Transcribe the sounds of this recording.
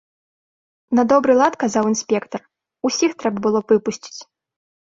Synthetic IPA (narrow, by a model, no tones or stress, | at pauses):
nɐd̪ɔbɾɨlˠat̪kazawinsʲpʲɛkt̪ɐr | usʲixt̪ɾɛbɐbɨlˠɔvɨpusʲt͡sʲi̥t͡sʲ